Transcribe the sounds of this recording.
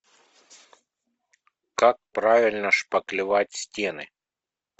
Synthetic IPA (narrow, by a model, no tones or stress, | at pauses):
kak̚pɾavʲɪlʲnəʂpəklʲɪvatʲsʲtʲenɨ̰